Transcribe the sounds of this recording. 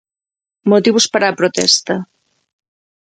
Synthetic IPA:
mot̪iβʊspaɾaːpɾot̪ɛ̰st̪ɐ

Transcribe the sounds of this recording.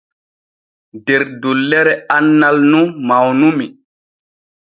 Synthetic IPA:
deɾdulːɛɾɛanːalnumawnumi

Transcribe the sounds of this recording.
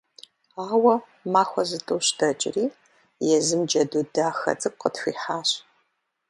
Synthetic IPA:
aːwɐ | maːxʷɔzɨtʼɨːɕtʰɐt͡ʃʼɪ̰riː | jɛzɨmd͡ʒɐduːdaːxɐ̰t͡sʼɨk̚ʷʼqətxʷḭːħaːɕ

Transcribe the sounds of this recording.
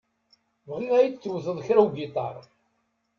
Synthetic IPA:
vʁinæjit͡sːwθəðˤçɾæwɡit̪ˤɑɾˤ

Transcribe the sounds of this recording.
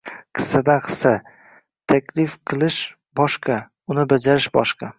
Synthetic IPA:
qʰɨ̥sad̪aqʰɨ̥sa | t̪ʰakʲlɪfqʰɨlˠɪʃ | bɒʃqʰɑ | ʊnɪbad͡ʒaɾɪʃbɒ̰ʃqɑ

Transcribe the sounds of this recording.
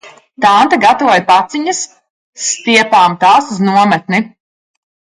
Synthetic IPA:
t̪ant̪aɡat̪avɔjpat̪siɲɐsː | t̪iɛpaːmt̪aːsuznuɔmɛt̪̚ni

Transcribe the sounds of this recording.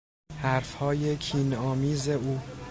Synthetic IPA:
hæɾfhɒːje̞cʰiːnɒːmiːze̞uː

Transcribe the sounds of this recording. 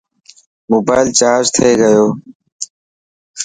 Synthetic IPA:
moːbaːɪlt͡ʃaːɾd͡ʒt̪ʰeːɡəjoː

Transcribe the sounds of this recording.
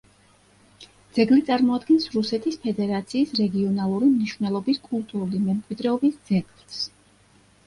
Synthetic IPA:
d̪z̥ɛɡlit̪sʼaɾmɔad̪ɡɛnsɾusɛt̪ʰispʰɛd̪ɛɾat̪sʰiːsɾɛɡiɔnalˠuɾimniʃvnɛlˠɔbiskʼulˠt̪ʼuɾulimɛmkʼwid̪ɾɛɔbisd̪zɛɡlˠs

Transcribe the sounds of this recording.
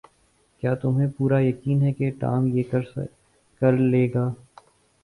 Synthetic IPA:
kjaːt̪ʊmɦẽpuːɾajɐkiːnɦɛkeʈa̰ːmjeːkɐɾ | kɐɾleːɡaː

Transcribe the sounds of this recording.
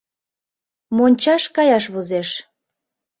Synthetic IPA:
monʲt͡ɕɑʃkɑjɑʃβuzeʃ

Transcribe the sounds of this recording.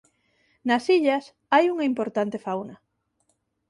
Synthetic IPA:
nɐsiʎas | ajuŋaimpoɾt̪ant̪efawnɐ

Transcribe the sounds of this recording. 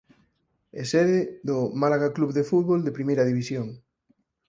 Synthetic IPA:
ḛseðɪðʊmalaɣakluβðefut̪βold̪epɾimejɾɐðiβisjoŋ

